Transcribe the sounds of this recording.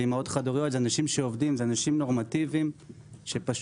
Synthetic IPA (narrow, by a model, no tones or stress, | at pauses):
imaotχadoʁijo̞t̪zeanaʃimʃeovdimzeanaʃimno̞ʁmativim | ʃepaʃ